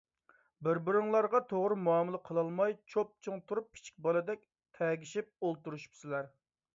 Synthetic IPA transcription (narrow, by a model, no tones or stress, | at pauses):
bɪɾbɪɾɨŋlˠɑɾʁɑt̪ʰoʁɾɨmuɑmɨlˠəqʰəlˠɑlˠmɑjt͡ʃʰop̚t͡ʃʰɨŋt̪ʰuɾup̚ʰːi̥t͡ʃʰi̥kʲbɑlˠɨd̪ɛkʲ | t̪ʰɛɡʲiʃip̚olˠt̪uɾuʃu̥psɪlæɾ